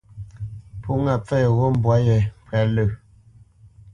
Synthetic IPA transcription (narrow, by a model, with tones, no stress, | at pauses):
pʰu˦ŋa˨p͡fɛ˦˨ɣo˦m̩˦bwa˨˦jɛ˨pwa˨lə˨